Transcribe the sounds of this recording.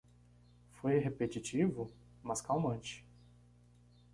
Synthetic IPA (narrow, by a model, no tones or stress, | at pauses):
fojɦepet͡ʃit͡ʃivʊ | mɐskawmɐ̃t͡ʃɪ̥